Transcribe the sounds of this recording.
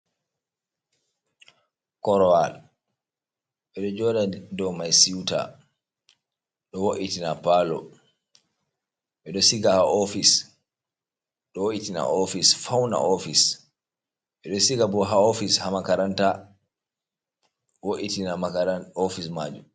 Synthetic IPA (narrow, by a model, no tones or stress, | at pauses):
kɔɾɔal | ɓɛɗɔd͡ʒɔːdadɔmajsiwta̰ | ɗɔwoʔitinapalɔ̰ | ɓɛɗɔsiɡahaofis | ɗɔwoʔitina̰ofisfawna̰ʔofis | ɓɛɗɔsiɡabɔɦaofishamakaɾanta | woʔitinaakaɾanofisma̰ːd͡ʒum